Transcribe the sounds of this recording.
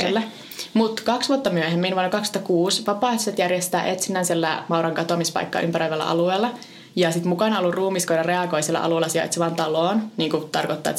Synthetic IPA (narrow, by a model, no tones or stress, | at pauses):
elːæ | mut̪kɑksʋuot̪ːɑmyøhemːiːnʋuonɑkɑkst̪ɑkuːsʋɑpɑːˑeht̪uset̪jærjest̪æ̰ːʔet̪sinːæːnsielːæmɑuɾɑŋkɑt̪omispɑ̰ikːɑ̰ːʔympæɾoiʋelːɑ̰ʔɑ̰lueːlːɑ | jɑsit̪mukɑnɑolːurruːmiskoinɑreɑɡoisielæ̰ʔɑ̰luelɑsiɑ̰ḛt̪siʋɑnt̪ɑloːnniːŋkut̪ɑrkot̪ːɑːḛt̪